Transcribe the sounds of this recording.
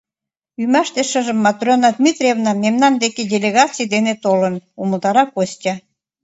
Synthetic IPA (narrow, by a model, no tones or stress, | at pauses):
ymæʃt̪eʃə̆ʒə̆mːɑt̪rʲonɑd̪mit̪rʲevnɑmemnɑnd̪ekedʲelʲeɣɑt͡sʲijd̪enet̪olənuməlt̪ɑɾɑkosʲtʲɑ